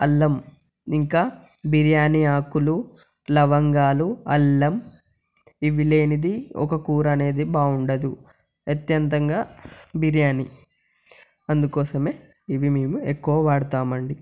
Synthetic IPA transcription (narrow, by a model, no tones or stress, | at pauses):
ɐlːɐm | iŋkaːbʱiɾjaːniaːkulu | lɐʋɐŋɡaːluɐlːɐm | iʋile̞ːnid̪iɔ̰kɐkuːɾɐne̞ːd̪ibaːuɳɖɐd̪u | ɐt̪jɐnt̪ɐŋɡaːbʱiɾjaːni | ɐnd̪ukɔːsɐme̞ː | iʋimeːmuekːuʋɐʋaːɽut̪aːmɐɳɖi